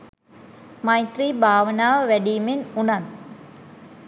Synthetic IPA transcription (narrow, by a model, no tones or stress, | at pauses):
majt̪riːbʱaːʋənaːʋəʋæɖijmenunan